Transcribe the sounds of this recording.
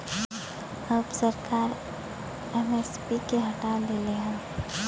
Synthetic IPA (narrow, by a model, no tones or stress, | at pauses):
əbsəɾkaːɾ | ɛmespikeɦɐʈaleleɦɛ̃ː